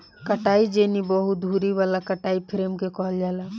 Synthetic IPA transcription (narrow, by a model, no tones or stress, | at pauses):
kəʈaid͡ʒenibəɦut̪̚d̪ʱuɾiβalakəʈaipʰɾemkekɔɦəld͡ʒaːla